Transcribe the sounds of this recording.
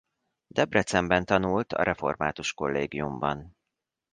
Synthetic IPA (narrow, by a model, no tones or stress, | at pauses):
d̪̥ɛbrɛt̪sɛmbɛnt̪ɒnult̪ɒ̰ɾʔɛfo̞̰rma̰ːt̪uʃko̞lːeːɡijumbɒn